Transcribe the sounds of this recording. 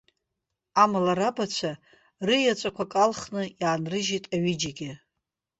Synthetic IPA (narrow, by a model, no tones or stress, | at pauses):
amalarabat͡ʃʷʰa | rɨjat͡ʃʷʼakʷʰakʼalχnɨjaːnrɨʒitʼaɥid͡ʒaɡʲɪ